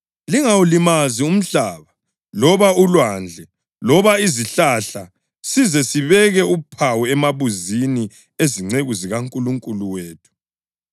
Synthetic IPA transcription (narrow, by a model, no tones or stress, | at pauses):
liŋawulimazium̩ɬaːβa | lɔβaulwand͡ɮʱɛ | lɔβaiziɬaɬa | sizɛsiβɛɣɛupʰawɛɛmaβuzini | eziŋ͡ǀeɣuziɣaŋkʼuluŋkʼuluweːtʰu̥